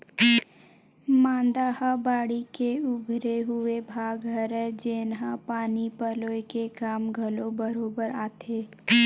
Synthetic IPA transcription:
mãːnd̪aːhabaːɽikeʊɡʱɾeɦʊebʱaːɡɦəɾɛd͡ʒeːnɦãpaːnipəloekekaːmɡʱəlobəɾoːbəɾaːt̪ʰeː

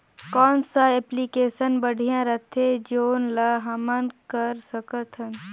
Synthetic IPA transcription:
kɔːnsaeplikeːʃənbəɽ̤ʱijãɾɐt̪ʰed͡ʒoːnlaɦɐmənkəɾsəkət̪ɦən

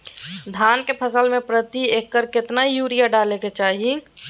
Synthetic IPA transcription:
d̪ʱankepʰəsəlmepɾət̪iekːəɾkɪt̪naijuɾijaɖaleket͡ʃaɦi

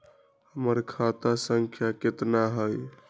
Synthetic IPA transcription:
həməɾkʰat̪asəŋkʰjaket̪naɦəj

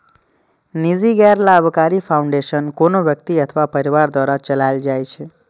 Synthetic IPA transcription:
niziɡɛɾlaəʋkaɾifauɳɖeʃənkonoʋjəkt̪iət̪ʰəʋapəɾiʋaɾd̪waɾat͡ʃəlajld͡ʒajt͡ʃʰe

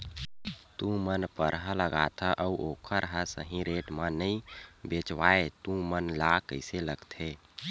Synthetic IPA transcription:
t̪ũmənpəɾɦələɡat̪ʰəʔəuokʰəɾəɦəsə̰ɦĩɾeʈmənəĩbet͡ʃwaet̪ũmənlakəɪseləɡt̪ʰe

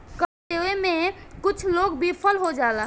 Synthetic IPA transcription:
kəɾt̪eemẽkʊt͡ʃʰloːɡbipʰəlɦod͡ʒaːla

